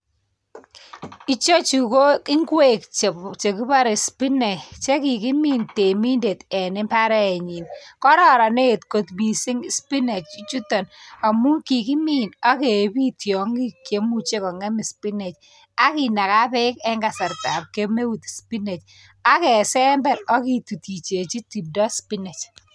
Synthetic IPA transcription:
i˦t͡ʃo˦t͡ʃu˨ko˦kɪ˦ŋɡwe˦kt͡ʃt͡ʃe˨ki˦pa˦ɾe˨spi˦nɛ˨t͡ʃe˦ki˨ki˦mi˦nte˨mi˦nde˨tɛ˨nɪ˦mpa˦ɾɛ˦ɛ˨ɲi˨nkɔ˦ɾɔ˦˨ɾa˨ne˦˨tko˨tmi˨si˦ŋspi˦ne˨t͡ʃi˦t͡ʃu˦tɔ˨na˨mu˦ŋki˨ki˦mi˦na˦ke˨bi˦tjɔ˨ŋɡi˦kje˦mu˦t͡ʃe˦kɔ˨ŋɛ˦mi˨spi˦ne˨t͡ʃ | a˦ki˨na˨ka˦pɛ˦kɛ˦ŋɡa˨sɛ˨ɾta˨p̚ke˦me˦wu˨tspi˦ne˨t͡ʃ | a˦kɛ˨sɛ˦mbɛ˨ɾɔ˦ki˦tu˨ti˨t͡ʃe˨t͡ʃi˦ti˨p̚dɔ˦spi˦nɛ˨t͡ʃ

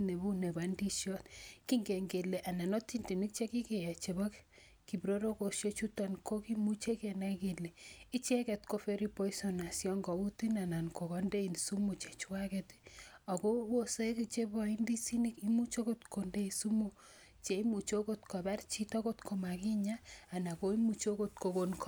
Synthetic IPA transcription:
ne˨bu˦ne˨ba˨˦ndi˦ʃjɔ˦tki˦ŋɡe˨ŋɡe˨le˨ʔa˨na˨nɔ˦ti˦ndi˨ni˦k̚t͡ʃe˦ki˦ke˨ja˨t͡ʃe˨bɔ˦k | ki˨bɾo˦ɾo˦ko˨ʃjo˦t͡ʃu˦tɔ˨nko˦ki˦mu˦t͡ʃe˦kɛ˨na˦ke˨le˨i˦t͡ʃɛ˦kɛ˨tko˦fe˦ɾi˦po˦i˦sɔ˨na˨sjɔ˦ŋɡɔ˨u˦ti˦na˨na˨nko˨kɔ˨nde˦i˨nsu˦mu˨t͡ʃe˨t͡ʃwa˦kɛ˦ta˨ko˦wo˦se˦ki˨t͡ʃe˦bɔ˦i˦ndi˦si˦ni˦ki˦mu˦t͡ʃo˦ko˦tko˨nde˦i˨su˦mu˨ | t͡ʃe˨i˦mu˨t͡ʃo˦ko˦tko˨ba˦rt͡ʃi˦tɔ˦ko˦tko˨ma˨ki˦ɲaː˦˨na˨ko˦i˦mu˨t͡ʃo˦ko˦tko˨ko˨nkɔ̥˦

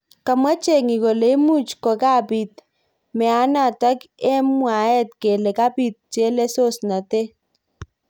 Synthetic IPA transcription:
ka˨ma˦t͡ʃe˨ŋi˨kɔ˨le˨˦mu˦t͡ʃkɔ˨ka˦pi˨t̪̚ | mɛ˨a˦na˦˨ta˦kɛ˦mwa˨ɛ˦t̪̚ke˨le˨ka˦pi˦t̪̚t͡ʃe˦le˦so˦sna˨te˦

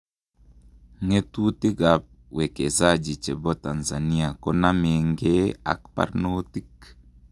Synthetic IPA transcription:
ŋe˦tu˦t̪i˦ɡa˨p̚we˨ke˨zad͡ʒi˨t͡ʃe˨bɔ˦ta˨nza˨ni˦a˨kɔ˦na˦me˨ŋɡe˦a̰˨kpa̰˨ɾnoti˦k

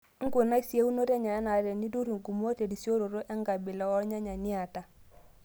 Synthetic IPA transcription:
ŋ̩˦ɡo˨na˦sje˦u˦no˦tɛ˦ɲa˨ɛ˦na˨˦ɾɛ˨ni˦du˦ɾu˨ŋ˨ku˨m˦o˦te˨di˨sjo˦ɾo˨ɾo˦ʔɛ˦ŋɡa˨bɪ˨lɔ˦ɔ˦ɾɲa˦ɲa˨ni˦a˨ta˨

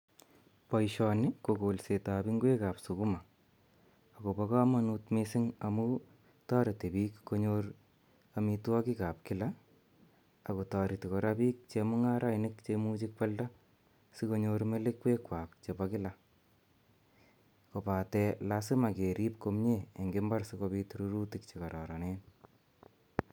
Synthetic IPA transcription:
pɔ˨jʃɔ˨nɪ˦ko˨ko˨lse˨ta˨biŋɡwe˦ka˨psu˨ku˦ma˨ | ko˨bɔka˦ma˦nutmesɪŋa˨mu˦ | tɑ˦ɾi˨te˨bi˦kko˧ɲor | ami˧twɔ˦ki˦ka˨p̚kɪ˦la | a˨ko˨tɑ˨ɾi˨ti˨kɔ˨ɾa˦biː˦k̚t͡ʃe˧mu˦ŋa˦ɾʔa˦jnɪkt͡ʃemut͡ʃɪk̚pa˦lda˦ | siko˦ɲoɾme˦le˦kwe˦kwaː˨kt͡ʃe˨bakɪ˦la | ko˨pa˨tɛ˧lasɪ˦ma˨ke˨ɾi˦p̚ko˧mɲe˦e˨ŋɡemba˦rsiko˧bi˧tɾu˦ɾu˦ti˨k̚t͡ʃe˨kɔ˨ɾɔ˨ɾa˨nen

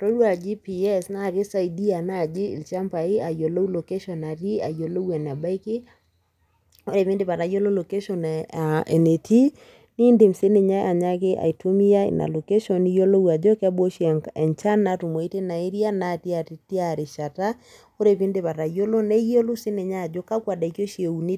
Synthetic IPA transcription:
to˦lwa˨d͡ʒi˦pi˨ɛ˦sna˦˨kɪ˦sa˦i˨di˦a˨na˦˨d͡ʒɪ̰ː˦˨lt͡ʃa˦mpa˨i˦a˨jo˨lo˦wlo˨ke˦ʃɔ˨na˨ɾi˦a̰˨jo˨lo˦wɛ˨na˨ba˦i˦kɪ˦ | o˦ɾe˨pɪ˦ndɪ˦˨pa˨ta˨jo˦lo˦lo˨ke˦ʃɔ˨n˨ɛ˨ne˨ti˦ | ni˦nde˨msɪ˦ne˨ɲa˦ʔa˨ɲa˦kɪ˦ʔa̰˨i˨to˦mi˦ja˦ḭ˨na̰˨lo˨ke˦ʃɔ˦ni˦jo˦lo˦wa˨d͡ʒɔ˦kɛ˦bo˦ʃɛ˨nt͡ʃa˦nːa˨tu˨mo˨i˦te˦na˨e˦ɾja˦na˦ti˦a˨ti˨ti˦a˨ɾɪ˨ʃa˨ta˦ | o˦ɾe˨pɪ˦nde˦˨pa˨ɾa˨jo˦lo˦nɛ˦jo˦lo˦sɪ˦ne˨ɲa˦a˨d͡ʒo˦ka˦kwa˨da˨i˨kjo˦ʃi˨e˨u˨ni˦

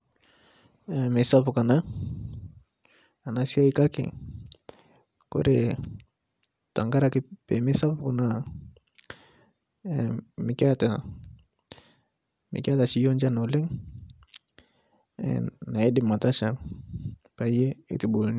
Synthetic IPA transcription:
me˨sa˦pu˨ka˨na˦ | a˨na˦si˦a˦i˦ka˦kḭ˨ | ko̰˦ɾe˨ | ta˨ŋɡa˦ɾa˦ki˦pe˨me˦sa˦pu˦ka˨na˦ | mi˨ka˦ta˨ | mḭ˨ka˦ta˨si˦jo˦nd͡ʒa˦no˨le˦ŋ | na˨e˦di˦ma˨ta˦ʃa˨ŋ | pa˨je˦ḛ˨ti˨bu˨lni˦

